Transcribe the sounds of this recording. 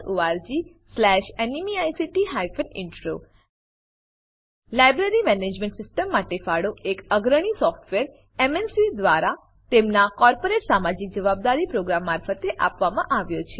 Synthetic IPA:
oaɾd͡ʒi | slɛʃenimiajsiʈiɦajfənɪɳʈɾo̰ | lajbɾeɾimɛned͡ʒmẽɳʈsɪsʈəmːaʈefaɽoʔekəɡɾəɽ̃isɔfʈʋeɾ | emensʋid̪ʋaɾa | t̪emnakɔɾpoɾeʈsamad͡ʒik̚d͡ʒəʋab̚d̪aɾipɾoɡɾamːaɾfət̪eʔapʋamãʔaʋjot͡ʃʰe

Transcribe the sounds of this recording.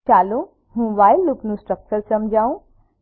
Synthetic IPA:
aːlũ | ɦũbaːjlupnũsʈɾək̚t͡ʃəɾsɐmd͡ʒʱaːũ

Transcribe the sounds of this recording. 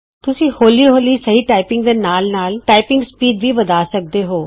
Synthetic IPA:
t̪ʊsĩːhoːliːɦoːliːsəɦiːʈaːɪpɪ̃ŋɡd̪eːnaːlnaːlʈaːɪpɪ̃ŋɡspiːɖʋʱiːbəd̪aːsək̚d̪eːɦoː

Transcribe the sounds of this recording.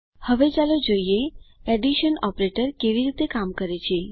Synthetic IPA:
həʋet͡ʃalod͡ʒoijeɛɖiʃənɔpɾeʈəɾkeʋiɾit̪ekamkəɾet͡ɕʰie

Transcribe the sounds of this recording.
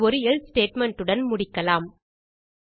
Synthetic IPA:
ɔɾɯɛlsʈeːʈmɛɳʈːɯɽɐnmʊɽɪkːɐlaːm

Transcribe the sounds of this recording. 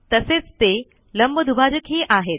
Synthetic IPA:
t̪əset͡st̪e | ləmbəd̪ʱubʱad͡ʑəkɦeʔaːɦet̪̚

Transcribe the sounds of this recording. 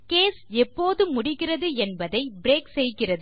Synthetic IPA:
keːsɛpːoːðɯmʊɽɪɣɪrɐðɯɛnbɐðɐɪbɪɾeːksɛjɣɪrɐðɯ

